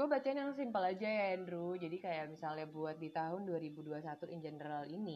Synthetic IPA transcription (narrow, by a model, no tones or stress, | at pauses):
ɡabat͡ʃanjaŋsɪmpəlad͡ʒajaɛndɾud͡ʒadikajaʔmisalɲabuat̪̚dit̪aɦʊnduaɾibuduasat̪uʔind͡ʒənəɾalini